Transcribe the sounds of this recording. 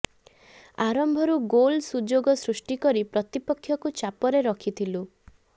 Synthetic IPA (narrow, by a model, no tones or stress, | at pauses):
aɾɔmbʱɔɾuɡolsud͡ʒoɡɔsɾusʈikɔɾipɾɔt̪ipɔkʰːjɔkut͡ʃapɔɾeɾɔkʰit̪ʰilu